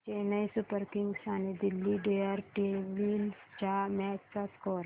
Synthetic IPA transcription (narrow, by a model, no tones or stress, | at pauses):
t͡ʃenɐĩsʊpəɾkɪŋɡʃaːned̪ɪlːiɖeːəɾʈeːbilt͡ʃamɛːt͡ʃsaskoːɾ